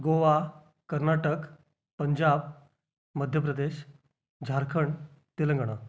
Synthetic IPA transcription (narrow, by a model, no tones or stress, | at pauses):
ɡoʋa | kəɾnaʈək | pəɲd͡ʑab̚ | məd̪ʱjəpɾəd̪eɕ | d͡ʑʱaɾkʰəɳ | t̪ilə̃ŋɡɽ̃ə